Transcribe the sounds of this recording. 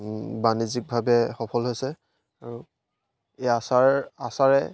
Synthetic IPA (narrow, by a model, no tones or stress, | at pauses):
banizik̚bʱabɛxɔpʰɔlɦojsɛ | aɹu | easaasaɹɛ